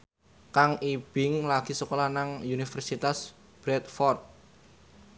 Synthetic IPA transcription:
kaŋib̥ɪŋlaɡ̥i̤səkolanaŋunifɛrsit̪as | b̥ɾɛt̪̚fɔrt̪̚

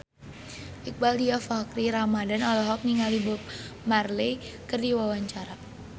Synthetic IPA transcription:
ʔik̚baldiafakɾiɾamadanɔlɔɦɔk̚niŋalibɔp̚ | marlejkərdiwawaɲt͡ʃaɾa

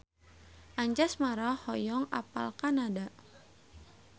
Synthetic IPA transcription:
ʔaɲd͡ʒasmaɾahɔjɔŋa̰pa̰lkanadaʔ

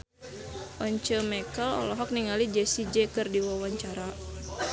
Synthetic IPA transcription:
ʔɔɲt͡ʃəmɛkəlɔ̰lɔɦɔk̚niŋalid͡ʒɛsid͡ʒɛkɨrdiwawaɲt͡ʃaɾa

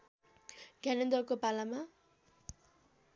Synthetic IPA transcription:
ɡ̥ʱanʌnd̪ʌkopalama

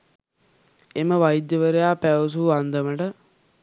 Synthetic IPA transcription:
eməʋajid̪jəʋəɾejaːpæʋəs̬uːand̪əməʈə

